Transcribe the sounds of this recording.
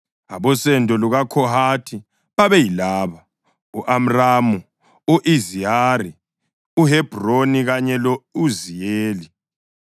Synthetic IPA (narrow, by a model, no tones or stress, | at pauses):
a̰βɔsɛndʱɔluɣakʰɔhatʰi | βaβɛjilaːβa | uʔam̩ramu | uʔiziaɾi | uɦɛb̥ʱroniɣaɲɛlɔuzijeːli